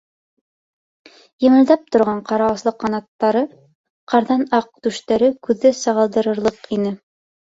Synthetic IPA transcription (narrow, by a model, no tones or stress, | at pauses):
jɤ̆mɤ̆lˠd̪ɑp̚t̪ŏɾʁɑɴqɑɾɑwɤ̆slˠɤqːɑnɑt̪ːɑɾɤ | qɑɾðɑnɑq̚t̪ʉʃt̪æɾɘkʉðːæsɑʁɑlˠd̪ɤ̆ɾɤ̆ɾlˠɤqinɘ